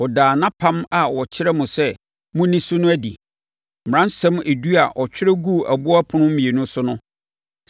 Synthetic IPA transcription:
ɔ˨daː˨nã˦pʰã˦ma˨wɔ˨t͡ɕʰɪ˦ɾɛ˦mʊ̃˨sɛ˦ | mʊ̃˦nĩ˦sʊ˦nʊ̃˦æ˦dḭ˨ | m̩˨ɾã˦n˦sɛ̃˦me˨du˦a˨ʔɔ˨t͡ɕᶣɪ˦ɾɛ˦ɡu˦˨æ̰˨bʊ˦a˦pʰʊ˦nʊ̃˦m̩˦mĩ˨e˨nʊ̃˦sʊ˦nʊ̃˦

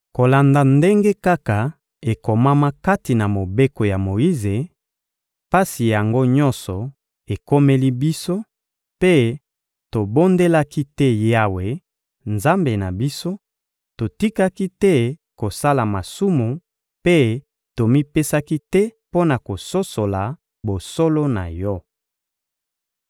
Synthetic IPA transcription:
ko˨la˨nda˨nde˦ŋɡe˦ka˦ka˨ | e˨ko˨ma˦ma˦ka˦ti˨na˨mo˨be˦ko˨ja˨mo˨i˦ze˨ | pa˦si˨ja˨ŋɡo˦ɲɔ̃˦nsɔ˨ | e˨ko˦me˦li˦bi˦so˦ | pe˦ | to˨bo˦nde˦la˦ki˦tɛ˦ja˦we˨ | nza˦mbe˨na˨bi˦so˦ | to˨ti˦ka˦ki˦tɛ˦ko˨sa˦la˨ma˨su˦mu˨ | pe˦ | to˨mi˦pe˦sa˦ki˦tɛ˦po˦na˨ko˨so˦so˨la˨ | bo˨so˦lo˦na̰˨jɔ˦

